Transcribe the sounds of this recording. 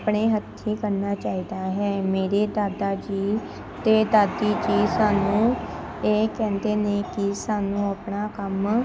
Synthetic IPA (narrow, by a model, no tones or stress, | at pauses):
pɳeːɦət̪ʰːiːkəɾnaːt͡ʃaːiːd̪aːɦɛːmeːɾeːd̪aːd̪aːd͡ʒiː | t̪eːd̪aːd̪iːd͡ʒiːsaːnũː | eːkɛ̃ːnd̪eːneːkɪsaːnũːəpɳaːkəm